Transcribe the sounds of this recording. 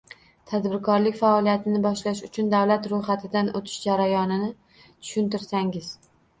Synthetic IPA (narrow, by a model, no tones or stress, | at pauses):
t̪ʰad̪bɪɾkʰɒɾlɪkʲfaɒlijat̪ʰɪnɪbɒʃlaʃʊt͡ʃʰʊnd̪awlat̪ɾojχat̪ʰɪd̪anʔot̪ʰɪ̥ʃd͡ʒaɾajɒnɪnɪ | t̪ʰʊ̥ʃʊnt̪ɪɾsaŋɪz̥